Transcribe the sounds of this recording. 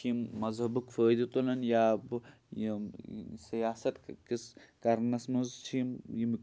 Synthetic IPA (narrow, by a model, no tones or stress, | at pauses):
kʰimːɐzɦɐbukfəːjd̪it̪unɐnjaːb | ji | sɐjaːsɐt̪kiskɐɾnɐsmuzt͡ʃʰimjim